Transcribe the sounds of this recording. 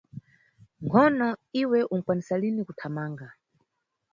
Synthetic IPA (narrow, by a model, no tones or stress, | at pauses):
ŋkʰɔnɔiwɛʔuŋ̩kwanisalinikutʰamaːŋɡa